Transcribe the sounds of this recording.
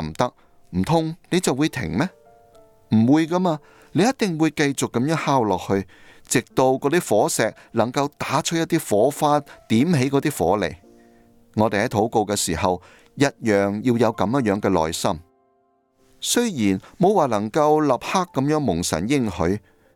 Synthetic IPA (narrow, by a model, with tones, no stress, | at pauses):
mt̪ɐ˥k̚ | m̩˨˩t̪ʰʊ˥ŋne˨˧jt͡sɐ˨wu˨˧jt̪ʰɪ̰˨˩ŋmɛː˥ | m̩˨˩wuː˨˧jkaː˥maː˧ | ne˨˧jɐ˥t̚t̪ɪ˨ŋwuː˨˧jkɐ˧jt͡sʊ˨kːɐ˨˥mjœː˥ŋhaː˥wlɔː˨k̚hɵ˧ɥt͡sɪ˨k̚t̪o˧wkɔː˨˥t̪iː˥fɔː˨˥sɛː˨k̚lɐ˨˩ŋkɐ˧wt̪aː˨˥t͡ʃʰɵ˥jɐ˥t̪ːiː˥fɔː˨˥faː˥t̪iː˨˥mhe˨˥jkɔ˨˧˥t̪iː˥fɔː˨˥lḛ˨˩j | ŋɔː˨˧t̪e˨jhɐ˨˥jt̪ʰo˨˥wko˧wkɛː˧siː˨˩hɐ˨w | jɐ˥t̚jœː˨˩ŋji˧wjɐ˨˧wkɐ˨˧mjɐ˥jœː˨˧˥ŋkɛː˧lɔ̰ː˨jsɐ˥m | sɵ˥ɥjiː˨˩nmo˨˧˥waː˨˩lɐ˨˩ŋkɐ˧wlɐ˨p̚ha˥kːɐ˨˥mjœː˨˥ŋmʊ˨˩ŋsɐ̰˨˩njɪ˥ŋhɵ˨˥ɥ